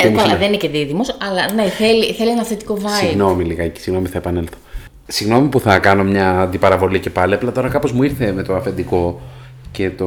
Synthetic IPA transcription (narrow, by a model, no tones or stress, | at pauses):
lɐðenineceðiðimo̞sɐlɐneθe̞liθe̞lienɐθet̪i̥ko̞vɐsiɣno̞miliɣɐeci̥siɣno̞miθɐepɐne̞lθo̥ | siɣno̞mipuθɐkɐno̞mɲɐːnd̪ipɐɾɐvo̞licepɐliɐplɐt̪o̞ɾɐkɐpo̞zmuiɾθe̞me̞t̪oɐfe̞nd̪iko̞ | ce̞t̪o